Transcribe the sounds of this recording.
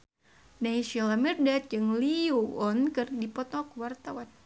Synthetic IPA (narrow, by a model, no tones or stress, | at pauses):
naisilamɛrdat̪̚d͡ʒɨŋliuɔnkɨrdipɔt̪ɔkwart̪awan